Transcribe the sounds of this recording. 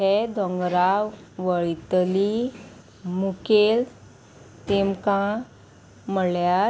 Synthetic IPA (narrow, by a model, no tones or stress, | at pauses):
ɛd̪ʱɔ̃ŋɡɾawʋəɭit̪li | mukel | t̪emkã | məɭja